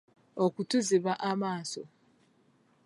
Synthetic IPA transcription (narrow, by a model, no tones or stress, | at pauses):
okutuziβaʔamaːso